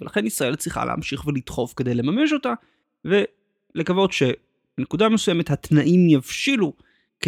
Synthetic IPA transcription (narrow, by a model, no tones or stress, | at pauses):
velaχe̞nisʁae̞lt͡sʁiχa̰lʔḛa̰mʃiχvelit̪χo̞fkede̞jle̞mame̞ʃ̬o̞ta | ve̞ | le̞kavo̞dʃe̞ | b̥enekudamesujeme̞t̪hat̪naʔimjavʃilu | k